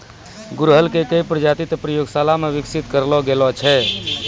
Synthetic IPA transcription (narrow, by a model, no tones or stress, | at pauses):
ɡuɾɦəlkekəipɾəd͡ʒat̪it̪pɾəjoɡsalameʋiksit̪kəɾlɔɡelɔt͡ʃʰɛ